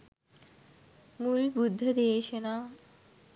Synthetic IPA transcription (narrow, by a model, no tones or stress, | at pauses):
muːlbud̪ʱːəd̪eʋɕena